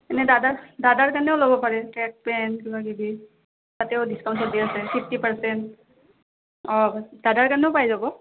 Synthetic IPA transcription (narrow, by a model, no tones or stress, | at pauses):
ɛnɛdadadadaɹkanɛʊlobɔpaɹɛtɹɛk̚pɛnkibakibi | tatɛʊdiskawnsɔɹdiasɛpʰipʰtipaɹsɛnt | ɔdadaɹkanɛʊpajzabɔ